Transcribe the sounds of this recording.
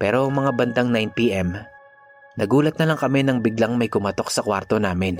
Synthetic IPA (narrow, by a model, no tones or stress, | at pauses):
pɛːɾoŋmɐŋabɐnd̪aŋnajnt̪iʔɛm | nɐɡuːlɐt̪̚nɐlaŋkɐmɛnɐŋbɪɡlaŋmɐjkʊmɐt̪o̞k̚sɐkwaɾt̪o̞naːmɪn